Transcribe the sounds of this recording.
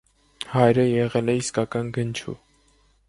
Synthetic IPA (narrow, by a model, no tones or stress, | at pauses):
hɑjɾəjɛʁɛlɛiskɑkɑnɡənt͡ʃʰṵ